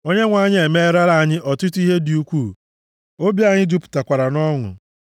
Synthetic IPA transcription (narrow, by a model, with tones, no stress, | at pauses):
o˦ɲe˦ŋʷa˨˦ɲɪ˦e˨me˦ɾa˦ɾa˦a˨ɲɪ˦ʔɔ˨tʊ˦tu˦i˦ɦe˦di˨u˦kʷuː˦˨ | o˦bji˦a˦ɲɪ˦du˦pʊ̥˨ta˨kʷa˨ɾa˨nɔ˦ŋʊ̰˨